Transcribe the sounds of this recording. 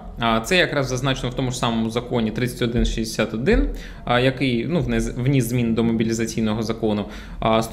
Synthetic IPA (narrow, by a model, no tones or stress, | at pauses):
t̪sɛjjɐkɾɑzzɐznɑt͡ʃenɔwt̪ɔmʊʐsɑmɔmʊzɐkɔnʲit̪ɾɪt͡sʲɐ̥tʲɔd̪ɪnʃʲizd̪esʲat̪ɔd̪ɪn | jɐkɪjnuʋnɛzʋnʲizzmʲind̪ɔmɔbʲilʲizɐt͡sʲijnɔɦɔzɐkɔnʊ | st̪